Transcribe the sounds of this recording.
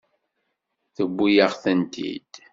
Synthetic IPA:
θəbʷːujəʁθənt̪ʰḭd̪̥

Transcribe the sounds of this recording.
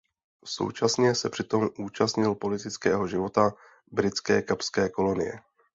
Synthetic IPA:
so̞̰wt͡ʃasɲɛsɛpr̥ɪt̪o̞mʔuːt͡ʃast̪ɲɪlpo̞lɪt̪ɪt͡skɛːɦo̞ʒɪvo̞t̪a | bɾɪt͡skɛːkapskɛːko̞lo̞nɪ̰jɛ̰

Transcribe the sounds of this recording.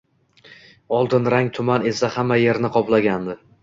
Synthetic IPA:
ɒlˠd̪ɪnɾaŋt̪ʰʊmane̞sahamːaje̞ɾnɪqʰɒplˠaɡʲand̪ɪ

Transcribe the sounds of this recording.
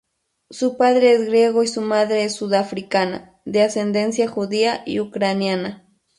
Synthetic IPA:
sʊpaðɾeesɡɾje̞ɣoisʊmaðɾeesːuðafɾikana̰ | d̪ease̞nd̪e̞nsjaxuðiaḭukɾanjana

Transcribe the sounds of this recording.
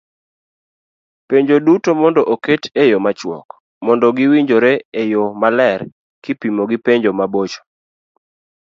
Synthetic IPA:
peɲd͡ʒodutomɔndɔʔoketejomat͡ʃwɔ̰k | mɔndɔɡɪwiɲd͡ʒoɾɛejomalɛr | kɪpimoɡɪpeɲd͡ʒomabot͡ʃo̥

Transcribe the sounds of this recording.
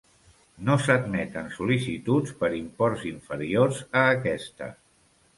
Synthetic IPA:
nosəd̪̚mɛt̪ənsulisit̪ut͡spəɾimpɔrziɱfəɾiorzəːkɛst̪ə̰

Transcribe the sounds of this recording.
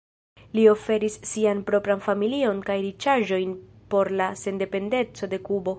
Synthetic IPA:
lio̞fe̞ɾisːianpɾo̞pɾanfamilio̞nkajɾit͡ʃaʒo̞jn | po̞ɾlase̞nde̞pe̞nde̞t͡so̞de̞kubo̞

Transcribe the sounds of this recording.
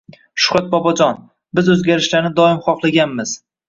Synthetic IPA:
ʃʊ̥χɾat̪̚bɒbɒd͡ʒɒn | bɪzɵzɡʲaɾɪʃlaɾnɪd̪ɒɪmχɒχlˠaɡʲanmɪz̥

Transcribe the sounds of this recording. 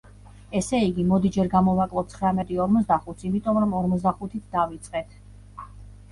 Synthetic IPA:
ɛsɛiɡimɔd̪id͡ʒɛɾɡamɔvakʼlˠɔp̚t̪sʰχɾamɛt̪ʼiɔɾmɔsd̪aχut̪simit̪ʼɔmɾɔmɔɾmɔt̪z̬d̪aχut̪ʰit̪ʰd̪avit̪sʼqʼɛt̪ʰ

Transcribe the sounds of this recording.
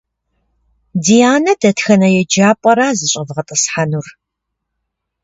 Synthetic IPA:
dijaːnɐdɐtxɐnɐjɛd͡ʒaːpʼɐɾaːzɨɕʼɐvʁɐtʼɨsħanur

